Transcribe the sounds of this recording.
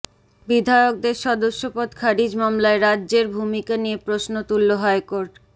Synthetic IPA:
bid̪ʱajok̚d̪eɾʃɔd̪oʃːopod̪kʰaɾid͡ʑmamlaeɾadːʑeɾbʱumikaniepɾosnot̪ulːoɦɔekoɾʈ

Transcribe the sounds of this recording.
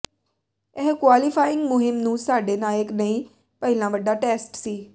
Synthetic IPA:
ɛːkwaːlɪpʰaːɪ̃ŋɡmʊɦɪmnũːsaːɖeːnaːjəknəĩː | pəɪlãːʋəɖaːʈɛːsʈsiː

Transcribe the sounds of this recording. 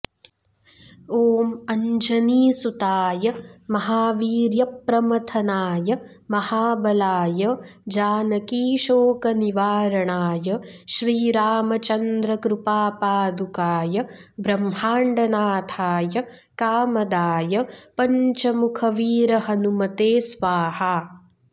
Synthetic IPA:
oːmɐɲd͡ʒɐniːsut̪aːjɐmɐɦaːʋiːɾjɐpːɾɐmɐt̪ʰɐnaːjɐ | mɐhaːbɐlaːjɐd͡ʒaːnɐkiːʃoːkɐniʋaːɾɐɳaːjɐʃɾiːɾaːmɐt͡ʃɐnd̪ɾɐkɾupaːpaːd̪ukaːjɐbɾɐmhaːɳɖɐnaːt̪ʰaːjɐ | kaːmɐd̪aːjɐpɐɲt͡ʃɐmukʰɐʋiːɾɐɦɐnumɐt̪eːsʋaːhaː

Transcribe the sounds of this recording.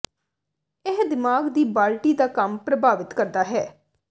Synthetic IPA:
ɪɦd̪ɪmaːɡd̪iːbaːlʈiːd̪aːkəmpɾəbaːʋɪt̪kəɾd̪aːɦɛː

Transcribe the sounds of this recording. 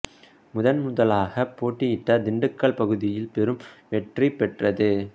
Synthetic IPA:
mʊðɐnmʊðɐlaːɣɐpːoːʈːijɪʈːɐd̪ɪɳɖɯkːɐɭpɐɣɯðɪjɪlpɛɾɯmʋɛʈripɛʈrɐðɯ

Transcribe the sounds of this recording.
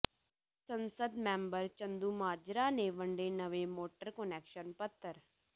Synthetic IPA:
sənsəd̪mɛ̃ːmbəɾt͡ʃənd̪uːmaːd͡ʒɾaːneːʋəɳɖeːnəʋeːmoːʈəɾkənɛːkʃənpət̪ʰːəɾ

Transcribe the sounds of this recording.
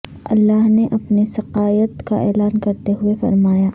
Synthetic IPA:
ɐ̰lːaːɦneʔɐpnisɐqaːjət̪ka̰ʔɛːlaːnkɐɾt̪eɦʊefɐ̰ɾmaːjaː

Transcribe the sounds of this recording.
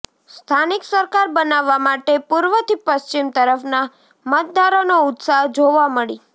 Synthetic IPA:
st̪ʰaniksəɾkaɾbənaʋːamaʈepuɾʋət̪ʰipəst͡ʃimt̪əɾəfna | mət̪̚d̪aɾonoʊt̪saɦd͡ʒoʋaməɭi

